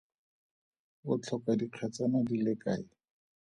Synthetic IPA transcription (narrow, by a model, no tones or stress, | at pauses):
bʊt͡ɬʰɔkadiq͡χʰat͡sanadilekaːɪ